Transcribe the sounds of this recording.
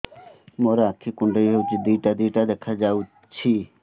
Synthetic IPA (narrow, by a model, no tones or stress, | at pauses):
moɾaːkʰːikʊɳɖəjɦewt͡ʃʰid̪iʈad̪iːʈad̪ekʰad͡ʒaw | t͡ʃʰi